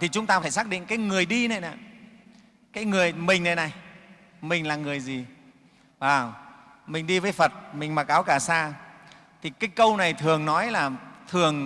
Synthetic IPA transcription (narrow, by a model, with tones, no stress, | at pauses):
t̪ʰi˨˩t͡ɕʊ˨˦ŋ͡mt̪aː˧faː˧˩jsaː˦˥k̚ɗḭ˧˨ŋ̟kaː˨˦jŋɨ˨˩əjɗi˧na˨˩jna̰˨˧˨ | kaː˨˦jŋɨ˨˩əjmï˨˩ŋ̟na˨jna˨˩j | mï˨˩ŋ̟laː˨˩ŋɨ˨˩əjzi˨˩ | vaː˨˩w | mï˨˩ŋ̟ɗi˧vəː˨˦jfə˨˩t̚mï˨˩ŋ̟ma˨˩k̚ʔaː˨˦wkaː˧˩saː˧ | t̪ʰi˨˩kaː˨˦jkə˧wna˨˩jt̪ʰɨ˨˩əŋnɔ˨˦jlaː˨˩t̪ʰɨ˨˩əŋ